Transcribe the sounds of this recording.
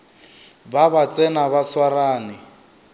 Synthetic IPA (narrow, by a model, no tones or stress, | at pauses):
babat͡sʼɛnaβaswaraːnɪ